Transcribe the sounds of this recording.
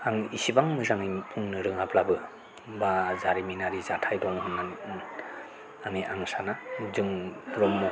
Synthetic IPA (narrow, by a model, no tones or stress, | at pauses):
aŋisibaŋmɯzaŋipʰuŋnɯɾɯŋapʰlabɯ | bazaɾiminaɾizatʰajdɔŋhunːan | aŋiʔaŋsanazɯŋɾɔmːɔ